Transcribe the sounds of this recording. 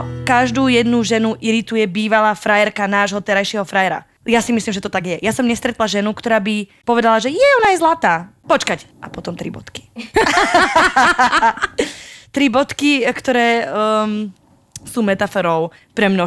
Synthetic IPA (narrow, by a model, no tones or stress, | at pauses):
kaʒd̪uːjɛd̪nuʒɛnuʔiɾit̪ujɛbiːʋalaːfɾajɛɾkanaːʒɦɔt̪ɛɾajʃɪɛɦɔfɾajɛɾa̰ | jasimislimʒɛt̪ɔt̪aɡjɛjasɔmɲɛst̪ɾɛt̪laʒɛnukt̪ɔɾaːbipɔʋɛd̪alaʒɛjɛɔnajzlat̪aːpɔt͡ʃkac | ʔapɔt̪ɔmt̪ɾḭbɔ̰t̪ki̥ | t̪ɾibɔt̪kikt̪ɔɾɛː | suːmɛt̪afɔɾɔʊ | pɾɛmnɔ